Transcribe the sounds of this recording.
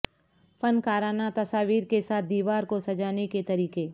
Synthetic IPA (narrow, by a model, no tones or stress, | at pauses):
fɐnkaːɾaːnat̪ɐsaːʋiːɾkesaːt̪̚ʰd̪iːʋaːɾkosɐd͡ʒaːneket̪ɐɾiːkeː